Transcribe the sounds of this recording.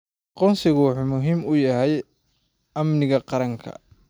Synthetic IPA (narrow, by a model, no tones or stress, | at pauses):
ɑqɔːnsɪɣʊwɑħuːmʊɦiːmʊjɐɦɛj | ʔɐmnɪɣɐqɑɾɐŋkʰɐ̰